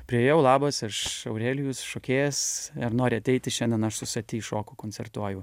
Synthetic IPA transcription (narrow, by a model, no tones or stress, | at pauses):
pʲɾʲɪjejɛʊlˠɑːbɐsɪʃɐʊɾʲæːlʲɪjʊsʃoːkʲeːjɛsɐɾnoːɾʲɪɐt̪ʲɛɪt̪ʲɪʃʲɛnʲd̪ʲɛnɐʃsʊsʲɐt̪ʲiːʃoːkʊkoːnʲt͡ssʲɛrt̪uɔjʊ